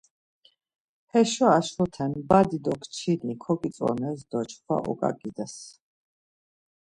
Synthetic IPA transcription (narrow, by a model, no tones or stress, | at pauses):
hɛʃɔaʃɔt̪ʰɛnbad̪id̪ɔkʰt͡ʃʰinikʰɔkʼit̪sʼɔ̰nɛs̬d̪ɔt͡ʃʰχʰwa̰ʔɔ̰kʼa̰ɡid̪as